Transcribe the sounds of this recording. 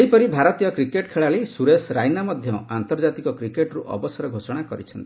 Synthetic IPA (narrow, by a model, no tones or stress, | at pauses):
eɦjpɔɾibʱaɾɔt̪ijɔkɾikeʈkʰeɭaɭisuɾesɾajnamɔd̪ʱjɔant̪ɔɾd͡ʒat̪ikɔkɾikeʈɾuʔɔ̰bɔsɔɾɔɡʱosɔɽ̃akɔɾit͡ʃʰɔnt̪ii̥